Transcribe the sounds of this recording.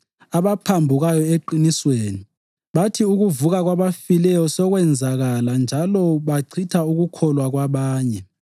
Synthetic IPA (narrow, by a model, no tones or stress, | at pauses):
aβapʰambʱuɣajɔeǃinisweːni | βatʰiuɣuvuɣaɣwaβafilɛjɔsɔɣwɛnd͡zʱaɣaland͡ʒʱalɔβaǀʰitʰauɣukʰɔlwaɣwaβaːɲɛ